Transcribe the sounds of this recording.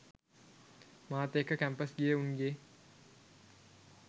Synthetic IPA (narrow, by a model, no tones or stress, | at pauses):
maːt̪eːkəkæmpəsɡijəuŋɡe